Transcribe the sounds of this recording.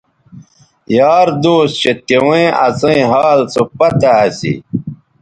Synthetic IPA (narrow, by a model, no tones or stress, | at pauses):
jaːɾd̪oːsɕet̪ewẽɐ̰t͡sɐ̃ĩɦaːlt͡sopɐt̪ɐːsḭ